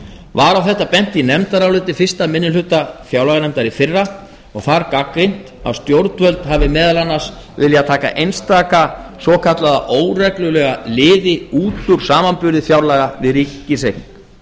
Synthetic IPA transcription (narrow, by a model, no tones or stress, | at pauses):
vaɾawθɛht̪ːapɛn̥t̪inɛmt̪aɾawlɪːt̪ɪfɪr̥st̪amɪnːɪlʏt̪afjawlaɣanɛmt̪aɾɪfɪrːa | ɔɣθaɾkakɾejn̥t̪a̰wst̪jowɾt̪vœlt̪ɦavɪmɛːðalanːḁs | vɪljat̪ʰaːka̰ʔejnst̪aːkasɔːkʰat̪laða̰ʔoːwrɛklʏlɛɣalɪːðɪuːt̪ʏɾ̥saːmanpʏɾðɪfjawɾlaɣavɪðɾiːcːɪsej